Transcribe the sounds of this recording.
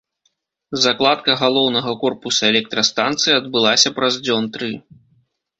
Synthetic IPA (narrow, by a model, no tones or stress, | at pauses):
zaklˠat̪̚kɐɣalˠɔwnɐɣɐkɔrpusɐɛlʲɛk̚t̪ɾɐst̪ant̪sɨjiɐd̪̚bɨlˠasʲɐpɾɐzd͡zʲɔnt̪ɾɨ